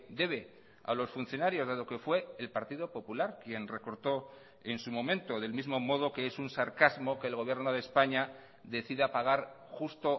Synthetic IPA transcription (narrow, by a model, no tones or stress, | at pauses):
d̪e̞β̞e̞ | a̰lo̞sfun̟θjo̞naɾjo̞zðaðo̞kefwe̞ːlpaɾt̪iðo̞po̞pulaɾkje̞nre̞ko̞ɾt̪o̞ | e̞nsumõ̞mẽ̞nt̪o̞ðe̞lmizmo̞mo̞ð̞o̞ke̞esunsaɾkazmo̞ke̞ːlɣo̞βje̞ɾno̞ð̞espaɲa | ðe̞θiðapaɣ̞aɾ | xust̪o̞